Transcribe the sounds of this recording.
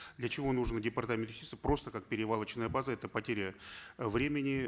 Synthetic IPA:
d̪lʲət͡ɕɪvo̞nuʐnədʲɪpɐrt̪amʲɪnt̪jsʲit̪əpɾo̞st̪əkak̚pʲɪɾʲɪvalˠət͡ɕnəjəbazəɛt̪əpɐtʲeɾʲəvɾʲemʲɪnʲɪ

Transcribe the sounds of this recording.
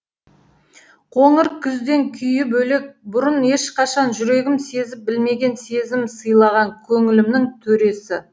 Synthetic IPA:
qʰo̞ɴɪɾkʲʰʏzd̪e̞ŋkʲʰʏjɪbɵle̞k̚bʊɾəne̞ʃqʰɑʃɑnʒʏɾe̞ɡʲɪmse̞zɪp̚bɪlme̞ɡʲe̞nse̞zɪmsəjlˠɑʁɑŋkʲʰɵŋɪlɪmnɪŋt̪ʰɵɾe̞sɪ

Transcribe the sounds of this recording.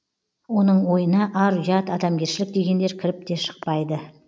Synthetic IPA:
wo̞nəɴwo̞jənɑʔɑɾʒɑt̪ɑd̪ɑmɡʲe̞ɾʃɪlɪk̚d̪e̞ɡʲe̞nd̪e̞ɾkʲʰɪɾɪp̚t̪e̞ʃə̥q̚pɑjd̪ə

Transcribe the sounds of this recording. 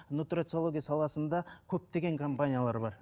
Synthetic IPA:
nut̪rat̪so̞lˠoɡʲijasɑlˠɑsənd̪ɑkʲʰɵp̚t̪e̞ɡʲe̞ŋkʰo̞mpanʲijalˠɑɾbɑɾ

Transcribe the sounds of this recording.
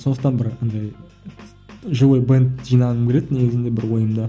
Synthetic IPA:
so̞nd̪əqt̪ɑnbɪɾnd̪ɑj | ʒowejbent̪ʒijnɑnəmkʰʲele̞d̪ne̞ɡʲɪzɪnd̪e̞bɪɾwo̞jəmd̪ɑ

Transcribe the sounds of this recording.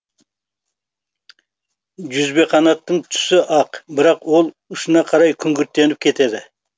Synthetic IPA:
ʒʏzbe̞qʰɑnɑt̪ːəɴt̪ʰʏ̥sɪʔɑqbɪɾɑqwo̞lˠ | ʊʃənɑqʰɑɾɑjkʲʰʏŋɡʲʏɾt̪ːe̞nɪp̚kʲʰe̞t̪e̞d̪ɪ

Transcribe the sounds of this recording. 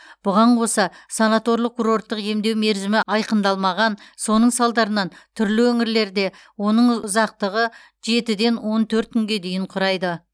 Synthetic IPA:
b̥ʊʁɑɴqʰo̞sɑsanat̪o̞ɾlˠəq̚kːuɾo̞rt̪ːəqje̞md̪e̞wme̞ɾzɪmɪɑjqənd̪ɑlˠmɑʁɑnso̞nəɴsɑlˠd̪ɑɾənɑnt̪ʰʏɾlɪwɵŋɪɾle̞ɾd̪e̞ | wo̞nəɴʊzɑq̚t̪əʁə | ʒe̞t̪ɪd̪e̞nwo̞nt̪ʰɵɾt̪̚kʲʏŋɡʲe̞d̪e̞jɪɴqʰʊɾɑjd̪ə

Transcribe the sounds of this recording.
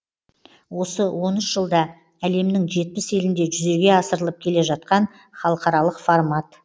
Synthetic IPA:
wo̞səwo̞nɪʃʒ̥əlˠd̪ɑ | æle̞mnɪŋʒe̞t̪̚pɪse̞lɪnd̪e̞ʒʏze̞ɡʲe̞ɑsəɾəlˠəp̚kʲʰe̞le̞ʒɑt̪̚qɑn | χɑlˠəqɑɾɑlˠəqformɑt̪

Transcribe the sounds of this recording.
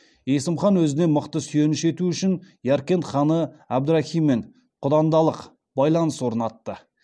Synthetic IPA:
je̞sɪmχɑnwɵzɪne̞məqt̪əsʏje̞nɪʃe̞t̪uʏʃɪn | jɑɾkʲe̞nχɑnəæb̚d̪ʊɾɑxijmːe̞ɴ | qʰʊd̪ɑnd̪ɑlˠəq | bɑjlˠɑnəswo̞ɾənɑt̪ːə

